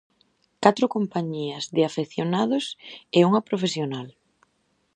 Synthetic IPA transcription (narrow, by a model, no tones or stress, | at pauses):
kat̪ɾʊkompaɲiɐzðɪafeθjonaðʊseuŋɐpɾofesjonal